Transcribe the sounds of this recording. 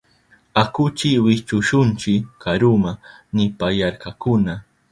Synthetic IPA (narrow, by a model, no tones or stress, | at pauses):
akʊt͡ʃɪwɪt͡ʃʊʃʊnt͡ʃɪkaɾʊmanɪpajaɾkakʊna